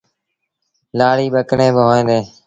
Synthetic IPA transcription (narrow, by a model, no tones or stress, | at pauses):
laːɽiːɓəkɳeːbɪɦoːẽːnd̪eː